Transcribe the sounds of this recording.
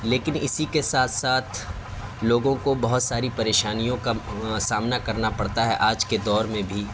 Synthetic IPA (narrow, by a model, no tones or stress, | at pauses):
leːkɪnɪsikesaːt̪ʰsaːt̪ʰ | loːɡõkobɐɦʊt̪saːɾipɐɾeːʃaːnijõkasaːmnakɐɾnapɐɽt̪aɦɛʔaːd͡ʒked̪ɔːɾmẽbʱiː